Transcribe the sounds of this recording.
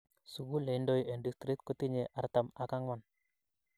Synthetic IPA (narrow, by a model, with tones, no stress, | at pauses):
su˨ɡu˦le˨ndojɛ˨ndist̪ɾi˦t̪̚kot̪i˦ɲeʔa˨ɾt̪ama˨ka˦ŋwa˨n